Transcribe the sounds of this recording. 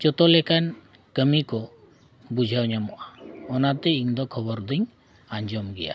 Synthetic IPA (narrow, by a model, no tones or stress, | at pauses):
d͡ʒɔt̪ɔlɛkan | kəmikɔ | bud͡ʒʱawɲamɔʔaɔnat̪ɛiŋd̪ɔkʰɔbɔɾd̪iŋ | aɲd͡ʒɔmɡɛja̰